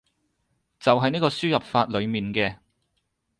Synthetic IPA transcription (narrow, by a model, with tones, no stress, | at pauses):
t͡sɐ˨wɦɐ˨jniː˥kɔː˧syː˥jɐ˨p̚faː˧t̚lɵ˨˧ɥmiː˨nkɛː˧